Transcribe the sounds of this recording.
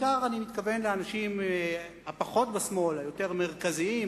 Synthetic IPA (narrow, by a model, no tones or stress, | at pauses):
kaʁanimit̪kave̞nleanaʃimhapaχo̞t̪̚besmo̞lajo̞te̞ʁme̞ʁkaziim